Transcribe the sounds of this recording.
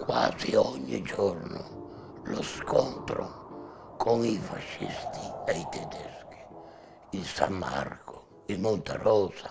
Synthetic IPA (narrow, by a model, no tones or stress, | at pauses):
kwaːziɔɲːid͡ʒɔrnʊ | lɔskʰɔmpɾo | kʰoŋifaʃːist̪ʰiɛit̪ɛd̪ɛski̥ | ilsamːa̰rko | imont̪arɔːza